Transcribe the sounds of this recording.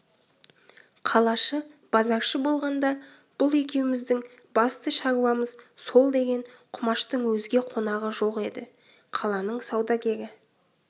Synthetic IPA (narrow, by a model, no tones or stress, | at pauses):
qʰɑlˠɑʃəb̥ɑzɑqʃəbo̞lˠʁɑnd̪ɑ | b̥ʊlˠe̞kʲe̞wɪmɪzd̪ɪŋ | bɑst̪əʃɑʁuwɑməzso̞lˠd̪e̞ɡʲe̞ɴqʰʊmɑʃt̪əɴwɵzɡʲe̞qʰo̞nɑʁəʒo̞qe̞d̪ɪ | qʰɑlˠɑnəɴsɑwd̪ɑkʲʰe̞ɾɪ